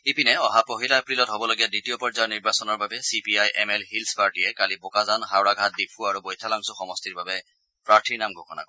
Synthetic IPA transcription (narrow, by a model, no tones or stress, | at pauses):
ipinɛɔɦapoɦilaɛpɹilɔtɦobɔloɡijaditijɔpɔɹzaɹniɹbasɔnɔɹbabɛsipiajʔɛmɛlɦilspaɹʈiɛkalibokazanxawɹaɡʱat̚dipʰuaɹubojtʰalaŋsɔxɔmɔstiɹbabɛ | pɹaɹtʰiɹnamɡʱokɔna̰k